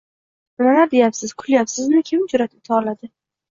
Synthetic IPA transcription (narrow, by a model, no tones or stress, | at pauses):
bɪlalaɾd̪e̞japsɪz̥kʰʊljapsɪznɪkʲʰɪmd͡ʒʊɾat̪ʰɪp̚t̪ʰɑlad̪ɪ